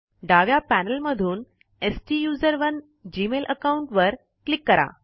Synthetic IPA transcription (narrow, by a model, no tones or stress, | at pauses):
ɖaʋjapænəlməd̪ʱuːn | esʈiːjuːzəɾʋən | d͡ʑiːmelʔəkauɳʈʋəɾ | klikːəɾa̰